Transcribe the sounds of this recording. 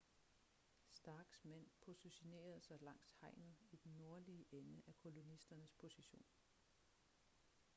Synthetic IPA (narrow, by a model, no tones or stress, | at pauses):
sd̥ɑ̈ːɡ̥smen̰pʰo̝suɕine̝̰ːɐð̞̩ˠsɑ̈ɪlɑ̈ŋ̰shɑ̈ɪ̰nð̩ˠid̥enːo̝ɐliəʔenəʔækʰo̝lo̝nisd̥ɐnəspʰo̝siɕo̝̰ːn